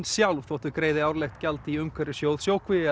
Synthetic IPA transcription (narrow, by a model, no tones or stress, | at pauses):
nsjawlvθɔt̪ʏkɾejðɪawɾlɛxt̪cɛlt̪iʏmkʰvɛɾɪsjowðsjoːwkʰvɪ